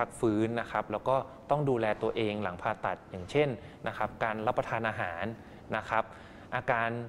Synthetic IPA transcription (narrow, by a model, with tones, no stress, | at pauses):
a˦˥k̚fɯː˦˥nːa˦˥kʰa˦˥p̚lɛː˦˥wkɔː˥˩t̪ɔ˥˩ŋduː˧lɛː˧t̪u˧ɐʔeː˧ŋla˩˦ŋpʰaː˧t̪a˨˩t̪̚jaː˨˩ŋt͡ɕʰe˥˩n | na˦˥kʰa˦˥p̚kaː˧nɾa˦˥pːɾa˧t̪ʰaː˧nʔaː˧ɦaː˩˦nː | a˦˥kʰa˦˥p̚ | ʔaː˧kaː˧n